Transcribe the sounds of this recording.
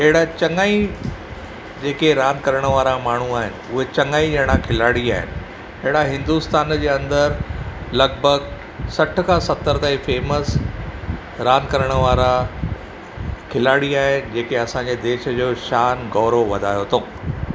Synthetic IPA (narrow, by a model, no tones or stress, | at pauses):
eɦɪɽat͡ɕɐŋaːi | d͡ʑeːkeɾaːnkɐɾəɽ̃əʋaːɾamaːɳ̤uaːɦɪnɪ̆ʊɦet͡ɕɐŋaːid͡ʑɐɽ̃ãkʰɪlaːɽiaːɦɪ̰nɪ̆ | eɦɪɽaɦɪ̃nd̪ust̪aːnd͡ʑeːɐ̃nd̪əɾlɐɡbʱəɡ | sɐʈ̆ʰkʰãːsɐt̪ːəɾt̪aːĩfeːməs | ɾaːnkɐɾəɽ̃ə̆ʋaːɾa | kʰɪlaːɽiaːɦɪnɪ̆d͡ʑeːkeɐsãːɲd͡ʑed̪eːʃə̆d͡ʑoːʃaːnɡɔːɾoʋɐd̪ʱaːjot̪ʰoː